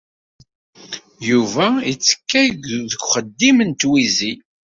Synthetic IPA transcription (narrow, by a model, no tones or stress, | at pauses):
juvæit͡sːə̥kːæjɡðəɡʷχəd̪ːimənt̪wizi